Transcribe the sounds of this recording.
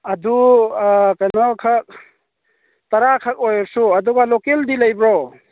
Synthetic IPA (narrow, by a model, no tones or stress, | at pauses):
ɐdu | kajnɔkʰak̚ | t̪ɐɾakʰak̚ojɔɾsuɐd̪ɔɡalokeldilajbɾɔ